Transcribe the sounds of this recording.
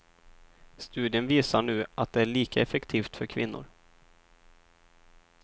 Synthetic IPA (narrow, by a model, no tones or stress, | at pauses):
st̪ʉ̟ːd̪ɪənviːsaɳʉ̟ːʔat̪̚d̪ɛæɭiːkʰaɛfɛkt̪ʰiːft̪fœɾkʰvɪ̰nːʊ̰ɾ